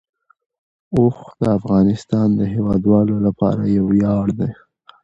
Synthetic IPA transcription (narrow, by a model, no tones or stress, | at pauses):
oxd̪̥əafɣɑnɪst̪ɑnd̪əɦewɑd̪wɑlolapɑ̰ɾajawjɑɽd̪e